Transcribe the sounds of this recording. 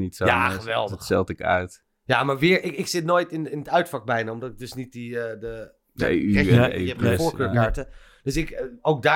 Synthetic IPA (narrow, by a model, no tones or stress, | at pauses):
nitsojaχəʋɛ̰lˠdətsɛlˠtɪkœ̰ɥt | jaːmaːɹʋɪːɹɪkɪksɪtnoːjtɪnɪndəœɥtfɑk̚bɛjnaɔmdɔtɪɡ̚dɵsnit̚dəədə | də̰ḛyɛḛɛpmfoːɹkøːɹkaːɹtə | d̥øsɪkowk̚daː